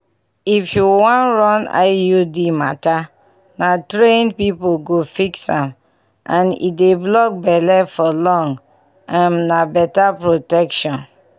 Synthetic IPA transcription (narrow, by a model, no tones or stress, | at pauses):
ifjuwɔ̃nɹɔ̃na̰ɪjudima̰ta | natɾẽnpipoɡofiksãm | ʔãnḭdeblɔk̚bɛlɛfɔlɔ̃ŋɡ | ãmnabɛtapɹotɛkʃɔ̃n